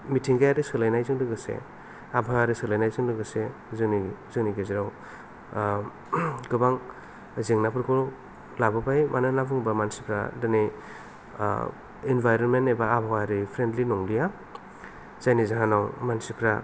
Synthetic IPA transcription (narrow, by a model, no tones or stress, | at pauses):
mitʰiŋɡajaɾisɯlajnajzɯŋdɯɡɯsḛ | abʱaaɾisɯlajnajzɯŋlɯɡɯse | zɯnizɯniɡeziɾaw | ɡɯbaŋ | ziŋnapʰɯɾkʰɯɾ | labɯbajmanɯnabɯŋbamansi̥pʰɾa̰dɯnij | inbajɾɔnmenebaːbʱaaɾipʰɾendlinɔŋlija | z̥ajnizaɦanawmansipʰɾa